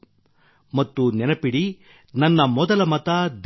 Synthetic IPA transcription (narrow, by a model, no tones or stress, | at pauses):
mɐt̪ːunɛnɐpiɽi | nɐnːɐmɔd̪ɐlɐmɐt̪ɐd̪